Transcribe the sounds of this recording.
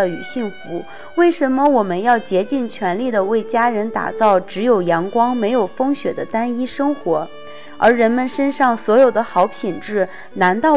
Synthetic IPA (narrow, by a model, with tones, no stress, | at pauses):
y˨˩ɕi˥˩ŋfu˧˥ | we˥˩ɪʂə˧˥nmə˧wɔ˨˩mə˦njɑ˥˩ʊt͡ɕjɛ˧˥t͡ɕi˥˩nt͡ɕʰɥɛ˧˥nli˥˩d̪ə˩we˥˩ɪt͡ɕja˥ɻə˧˥nt̪a̰˨˩t͡sɑ˥˩ʊʈ͡ʂɻ̩˧˥jo˨˩ʊjɑ˧˥ŋkwɑ˥ŋme˧˥ɪjo˨˩ʊfɤ˥ŋɕɥɛ˨˩d̪ə˦t̪a˥ni˥ʂɤ˥ŋxwɔ˧˥ | ə̰˞˧˥ɻə˧˥nmə˧nʂə˥nʂɑ˥˩ŋswɔ˧˥jo˨˩ʊd̪ə˦xɑ˧˥ʊpʰi˨˩nʈ͡ʂɻ̩˥˩ | na˧˥nt̪ɑ˥˩